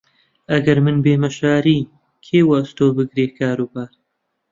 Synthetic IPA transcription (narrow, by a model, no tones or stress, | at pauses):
ɐɡɐɾmɨnbeːmɐʃaːɾiː | kʰeːwɐst̪oːbɨɡɾeːkʰaːɾuːbaːɾ